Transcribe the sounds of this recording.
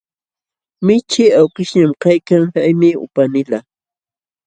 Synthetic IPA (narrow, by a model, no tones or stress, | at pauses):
mɪt͡ʃɪawkɪʃɲamkajkaŋhajmɪʊ̰panɪla